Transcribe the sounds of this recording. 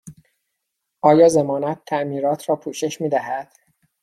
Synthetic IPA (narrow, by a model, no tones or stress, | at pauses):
ʔɒːjɒːzemɒːnæt̪ʰːæʔmiːɾɒːt̪ʰɾɒːpʰuːʃe̞ʃmiːd̪æɦæd̪̥